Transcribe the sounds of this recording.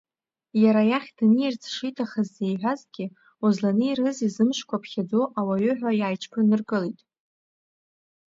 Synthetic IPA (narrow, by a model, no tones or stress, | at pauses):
jaɾajaχʲd̥nɨjart͡sʰʼʂijtʰaχazːejħʷᶣazɡʲɪ | ozlanɨirɨzizɨmʃkʷʰapʰχʲad͡zoʔawaɥʊħᶣʷajaːjt͡ʃʰpʰɨrnɨrɡʼɨlitʼ